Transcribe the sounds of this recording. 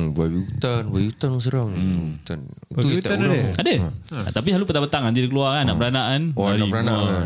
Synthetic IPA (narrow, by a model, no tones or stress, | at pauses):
bawiɡut̪anwaiut̪ans̬əɾaŋt̪an | iuit̪ɾadə̰t̪ap̬iɦalupət̪apət̪aŋant̪idikəluaaana̰ʔpəɾanaʔanaɾaiəɾanaa